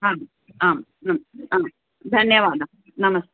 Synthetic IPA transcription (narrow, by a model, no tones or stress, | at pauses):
ɦaːm | aːm | nɐmaːm | d̪ʱɐnjɐʋaːd̪ɐ | nɐmɐst̪